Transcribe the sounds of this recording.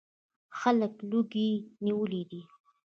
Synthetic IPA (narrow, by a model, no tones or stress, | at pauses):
xaləkluɡiniwəlid̪i